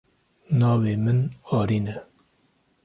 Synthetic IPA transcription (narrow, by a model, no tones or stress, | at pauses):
nɑːveːmɨnɑːɾiːnɛ